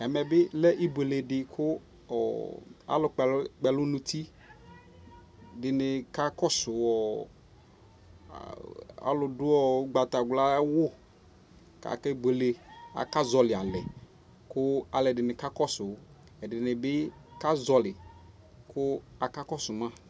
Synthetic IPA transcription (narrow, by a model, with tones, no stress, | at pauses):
ɛ˨mɛ˨bɪ˦lɛ˦ʔi˦be˨le˨dɪ˨kʰʊ˦ | ɔ̰˨a̰˦lʊ˨˦k͡pɛ˨lʊ˦nũ˨tʰi˦ | dɪ˨nɪ˨ka˦kɔ˦sʊ˨ɔ˨ | a̰˨˦lʊ˨dʊ˦ɔ˨˦ɡ͡ba˨t̪a˨ɡla˦wʊ˦ | ka̰˨kɛ˦bʷe˨le˨a̰˨ka˦zɔ˨lɪ˨a˨lɛ˨ | kʊ˦a˨lɛ˨dɪ˨nɪ˨ka˦kɔ˦sʊ˨˦ | ɛ˨dɪ˨nɪ˨bɪ˦ka˦zɔ˨lɪ˨ | kʰʊ˦a˨ka˦kɔ˦sʊ˨ma˦˨